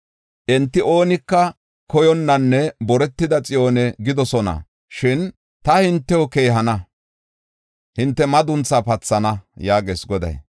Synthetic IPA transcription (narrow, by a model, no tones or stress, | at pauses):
ʔɛnt̪ːɪo̞ːnɪkːɐ | kɔjɔnːɐnːɛbɔɾɛt̪ːɪd̪ɐt͡sʼɪjoːnɛɡɪd̪ɔsɔnɐ̰ | ʃɪn | t̪ɐhɪnt̪ːɛɔke̞ːɦɐnɐ | hɪnt̪ːɛmɐd̪ʊnt͡sːapɐt͡sːɐnɐjaːɡḛːsɡɔd̪ɐ̰j